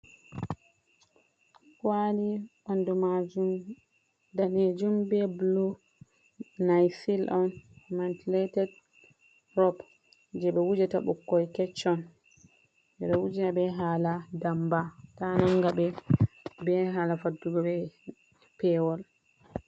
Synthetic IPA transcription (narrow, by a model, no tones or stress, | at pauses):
kwaliʔɔndɔmad͡ʒum | daned͡ʒumbɛblu | najsilʔɔnmantiletɛd | ɾɔp | d͡ʒɛɓɛwud͡ʒata̰ɓṵkːɔjkɛt͡ʃːɔn | d͡ʒɛɓɛwud͡ʒinabɛɦaːladambatanaŋɡabɛ | bɛɦalafaduɡɔɓɛ | pɛwɔl